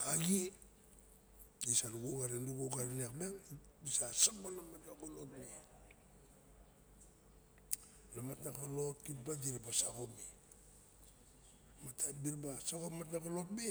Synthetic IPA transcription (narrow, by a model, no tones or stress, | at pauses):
aɡi | isaɾuɡoɡaɾenduɡoɡaɾenakbaŋisasak̚balamatnakolotmi | lamatnakalot̚kit̚bad͡ʒiɾabasakomi | matabilbasakomat̬nakolotme